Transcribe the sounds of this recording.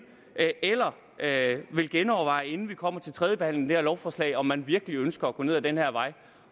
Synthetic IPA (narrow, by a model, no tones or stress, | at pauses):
elɐ | ʋe̝lɡ̥enɒʊɐʋɑ̈ɪe̝nn̩ʋikʰɒ̽m̰ɐt͡sʰe̝lt͡sʰʁɛðˠjəb̥e̝hæn̰leŋde̥eɐlɒʊfɒːslɛ̰ɪɒ̽mːænʋiɐɡ̥əliønsɡ̥ɐɒɡ̥ɔ̽ne̝ðˠd̥enhæɐ̰ʋɑ̈ɪ